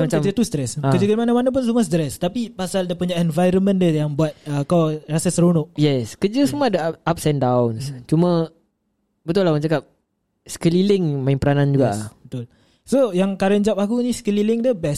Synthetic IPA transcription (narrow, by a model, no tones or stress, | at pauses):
mat͡ʃaəd͡ʒat̪ust̪ɾɛsakəd͡ʒuɡəmanamanap̬ʊns̬umast̪ɾɛst̪apipasaldəpuɲaʔɛnvajɾəmə̃ndəjaŋbuat̪̚əkawrasəsəɾonoʔjɛskəd͡ʒəsumadəap̚sɛndawnst͡ʃumə̃ | bət̪ʊlahwat͡ʃakap̚ | sə̥kəlilɪŋmainpəɾanand͡ʒuɡaʔbət̪ʊl | sojaŋkaɾənd͡ʒapakuniskəlilɪŋdəbɛs